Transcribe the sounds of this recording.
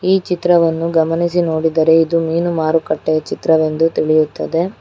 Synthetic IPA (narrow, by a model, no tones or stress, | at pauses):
iːt͡ʃit̪ɾɐʋɐnːuɡɐmɐnis̬ino̞ːɽid̪ɐɾe̞id̪umiːnumaːɾukɐʈːɛjɐt͡ʃit̪ɾɐʋe̞nd̪ut̪iɭijut̪ːɐd̪e̞